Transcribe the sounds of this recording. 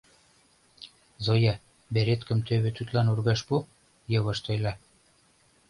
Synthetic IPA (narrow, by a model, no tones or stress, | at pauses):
zojɑ | beɾet̪kə̆mt̪øβĕt̪yt̪lɑnurɣɑʃpu | jɤ̆βɤ̆ʃt̪ojlɑ